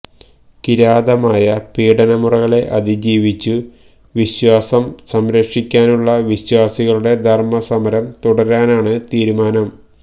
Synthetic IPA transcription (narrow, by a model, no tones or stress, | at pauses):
kiɾaːd̪ɐmaːjɐpiːɽɐnɐmurɐɣɐɭe̞ʔɐd̪id͡ʑiːʋit͡ɕːu | ʋiɕwaːsɐmsɐmɾɐkʂikʲːaːnuɭːɐʋiɕwaːsiɣɐɭuɽe̞d̪ʱɐrmɐsɐmɐɾɐmt̪uɽɐɾaːnaːɳɨt̪iːɾumaːnɐm